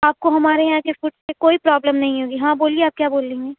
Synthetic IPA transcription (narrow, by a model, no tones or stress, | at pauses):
aːp̚koɦɐmaːɾeɦãːkesʊʈsekoːipɾɔːbləmnɐɦĩɦoːɡiɦãːboːlieaːp̚kjaːboːlːẽːŋɡeː